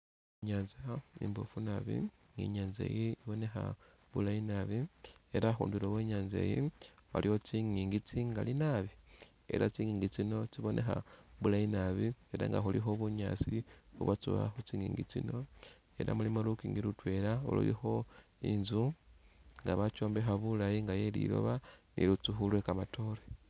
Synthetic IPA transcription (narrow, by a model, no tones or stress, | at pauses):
ɲaːnzaḭmbofunaβḭ | ŋḭɲaːnzḛjiiβo̞ne̞xa̰ | βulainaβie̞ɾaxuːnduɾoweɲaːnzḛjiwalihot͡siŋiːŋɡit͡siŋɡalinaβi | e̞̰ɾat͡siŋiːŋɡit͡sino̞t͡siβo̞nʔe̞xa̰βulajinaβieɾa̰ŋɡa̰xulixoβuɲaːt͡siṵβat͡sṵβa̰xut͡siŋiːŋɡit͡sḭno̞ | e̞ɾa̰mulimolukiŋɡiɾutwe̞ɾao̰lṵlḭxo̞ḭnzu | ŋɡaβat͡ʃo̞ːmbe̞xaβulajiŋɡajelḭɾo̞̰βanḭɾut͡suxulwe̞kamatʰo̞ɾe